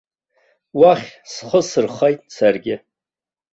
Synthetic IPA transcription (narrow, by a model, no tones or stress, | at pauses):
waχʲsχəsɨrχejtʼsarɡʲɪ